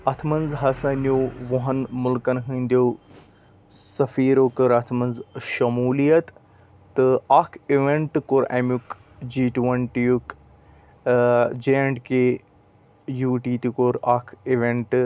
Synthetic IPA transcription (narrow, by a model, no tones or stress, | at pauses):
ɐt̪ʰmɐnzɦɐsɐnjoːʋoɦɐnmʊlkɐnɦĩːnd̪o | sɐfiːɾokɐɾɐt̪ʰmɐnzʃɐmuːlijɐt̪ː | ɨaːkʰiʋeɳʈkoɾɐ̰muk | d͡ʒiːʈʋɐɳʈijuk | d͡ʒeɐɳɖke | juːʈiːt̪ikoɾaːkʰiʋeɳʈ